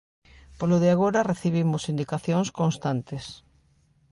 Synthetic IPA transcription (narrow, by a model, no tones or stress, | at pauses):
poloðɪaɣ̞oɾareθiβimʊsind̪ikaθjoŋskonst̪ant̪es